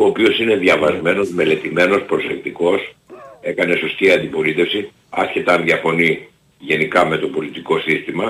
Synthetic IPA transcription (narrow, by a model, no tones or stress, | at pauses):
oːpiosine̞ðjɐvɐzme̞no̞zme̞le̞t̪ime̞no̞spɾo̞se̞k̚t̪iko̞se̞kɐne̞so̞st̪iɐnd̪ipo̞lit̪e̞fsi | ɐ̰sçet̪ɐnðjɐfo̞ni | ʝe̞nikɐme̞t̪o̞po̞lit̪iko̞sist̪imɐ